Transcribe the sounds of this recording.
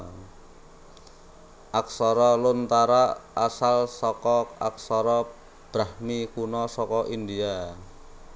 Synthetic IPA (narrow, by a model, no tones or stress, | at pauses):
ʔak̚sɔɾɔlʊnt̪aɾaasalsɔkɔa̰k̚sɔɾɔ | b̥ɾahmikunɔsɔkɔʔind̪ia